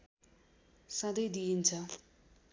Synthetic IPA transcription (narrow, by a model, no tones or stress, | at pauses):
sãd̪ʌjd̪iɦint͡sʰʌ